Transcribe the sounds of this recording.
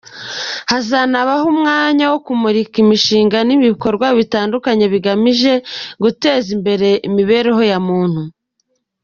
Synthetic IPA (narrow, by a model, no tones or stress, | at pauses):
hazanaβahumŋaːɲawo̞kumuɾikimiʃiːŋɡaniβiko̞ɾɡwaβitaːndukaɲe̞βiɡamiʒe̞ɡute̞ːzimbe̞ɾe̞ʔimiβe̞ːɾeɦo̞jamuːn̥hu